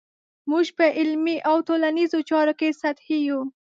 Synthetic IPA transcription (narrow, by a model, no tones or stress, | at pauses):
muʒpəʔɪlmiʔawtolanizot͡ʃɑɾokesat̪hiju